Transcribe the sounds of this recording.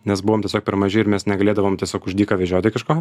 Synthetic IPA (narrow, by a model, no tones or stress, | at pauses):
nʲɛsbʊʋoːmtʲɛsʲoːk̚pʲɛɾmɐʒʲɪɪɾmʲɛsnʲɛɡɐlʲeːd̪ɐʋoːmt̪ʲɛsʲoːkʊʒʲd̪ʲiːkɐʋʲɛʒʲoːt̪ʲɪkɐʃkoː